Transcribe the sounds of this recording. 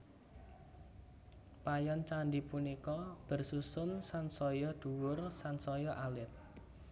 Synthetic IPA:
pajɔnt͡ʃaɳɖipunikɔb̥ə̤rsusʊnsansɔjɔɖ̪̥uwʊrsansɔjɔʔalɪt̪̚

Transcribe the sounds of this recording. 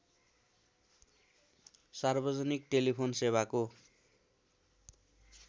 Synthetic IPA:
sarbʌd͡zʌnikʈelipʰonsebako

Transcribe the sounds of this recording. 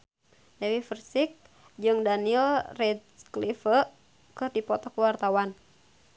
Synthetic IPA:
dɛwifərsik̚ | d͡ʒɨŋdaniɛlrɛdklifər | kɨrdipɔt̪ɔkəwart̪awan

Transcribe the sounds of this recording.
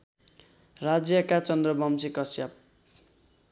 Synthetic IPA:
rad͡zjʌkat͡sʌnd̪rʌbʌmsikʌsjap̚

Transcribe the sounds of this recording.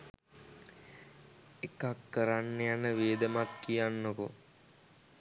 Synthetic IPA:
ekakːəɾanːejanəʋeːd̪əmat̪kijanːoko

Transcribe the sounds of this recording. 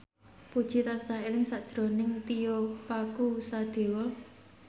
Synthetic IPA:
pud̥ʒ̥i̤t̪ansaelɪŋsad̥ʒ̥ɾo̤nɪŋt̪ijɔpakusad̪̥e̤wɔ

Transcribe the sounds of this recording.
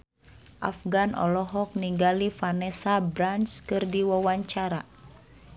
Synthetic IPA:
ʔa̰fɡanʔɔ̰lɔɦɔk̚niŋɡalifanɛsabɾanskɨrdiwawaɲt͡ʃaɾa

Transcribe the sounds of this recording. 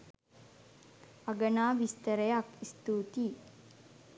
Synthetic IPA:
ɐɡɐnaːʋist̪ɐɾɐjakist̪uːt̪i

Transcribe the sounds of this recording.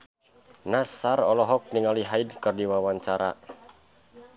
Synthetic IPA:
nasarɔlɔɦɔk̚niŋaliɦaidkɨrdiwawaɲt͡ʃaɾa̰

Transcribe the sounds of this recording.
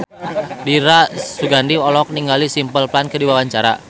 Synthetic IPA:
diɾasuɡandiɔlɔk̚niŋɡalisimpəlplankədiwawaɲt͡ʃaɾa̰

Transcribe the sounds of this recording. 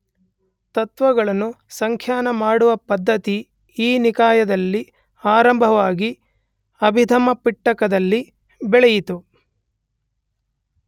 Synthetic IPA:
t̪ɐt̪ʋɐɡɐɭɐnːu | sɐŋkʰjaːnɐmaːɽuʋɐpɐd̪ʱːɐt̪i | iːnikaːjɐd̪ɐlːi | aːɾɐmbʱɐʋaːɡi | ɐbʱid̪ʱɐmɐpiʈːɐkɐd̪ɐlːi | bɛɭɛjit̪u

